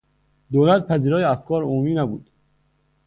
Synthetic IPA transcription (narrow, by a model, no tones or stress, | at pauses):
d̪oːlæt̪̚pʰæziːɾɒːjeæfkʰɒːɾomumiːnæbṵd̪̥